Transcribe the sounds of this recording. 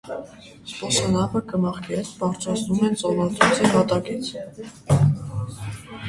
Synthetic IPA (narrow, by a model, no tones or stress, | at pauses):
spɔsɔnɑpəkəmɑχkʰiɛt̪pɑɾt͡ʃʰɑt͡sʰnumɛnt͡sɑvɑlt̪ɾut͡sʰiɦɑt̪ɑkit͡sʰ